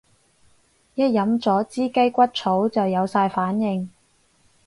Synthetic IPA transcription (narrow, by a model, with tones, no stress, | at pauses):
jɐ˥t̚jɐ˨˥mt͡sɔː˨˥t͡siː˥ke˥jkʷɐ˥t̚t͡sʰo˨˥wt͡sɐ˨wjɐ˨˧wsaː˧jfaː˨˥njɪ˧ŋ